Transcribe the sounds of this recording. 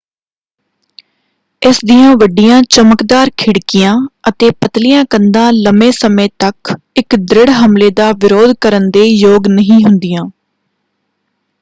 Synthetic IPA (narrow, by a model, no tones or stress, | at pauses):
ɪsd̪ijãːʋəɖijãːt͡ʃəməkd̪aːɾkʰɪɽkɪjãːət̪eːpət̪lɪjãːkənd̪ãːləmẽːsəmẽːt̪ək | ɪkd̪ɾɪɽɦəmleːd̪aːʋɪɾoːd̪kəɾənd̪eːjoːɡnəɦĩːɦʊnd̪ɪjãː